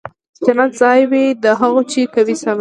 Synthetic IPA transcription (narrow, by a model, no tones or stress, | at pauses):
t̪ɪnad̪zɑjwed̪əɦaɣot͡ʃekawisaɾ